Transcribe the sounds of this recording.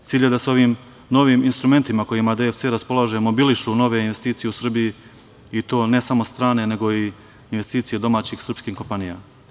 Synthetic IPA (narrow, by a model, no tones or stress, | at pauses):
t̪iːʎe̞d̪aseo̞ʋiːm | no̞ʋiːminst̪ɾume̞nt̪imako̞jimad̪eefse̞ːɾaspo̞lˠaʒemo̞biliʃuno̞ʋe̞inʋe̞st̪iːt̪sije̞usr̩biji | it̪o̞ːne̞samo̞st̪ɾaːne̞ne̞ɡo̞i | inʋe̞st̪iːt̪ije̞d̪o̞maːt͡ɕixsr̩pskixko̞mpanija̰